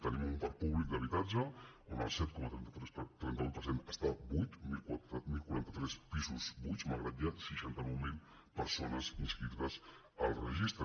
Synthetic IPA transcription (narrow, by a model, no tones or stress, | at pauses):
t̪ənimumpaɾ̚puβlik̚d̪əβit̪ad͡ʒə | onə̰lˠsɛt̪̚kɔmət̪ɾɛnt̪t̪ɾɛst̪ɾɛnt̪əupəɾsenəst̪abujt̪milmilˠkuɾant̪ət̪ɾɛspizuzbujt͡ʃmaɣɾədiat̪siʃant̪əmuwmil | pəɾsonəzinskɾiɾt̪əs | əlˠrəʒist̪ɾ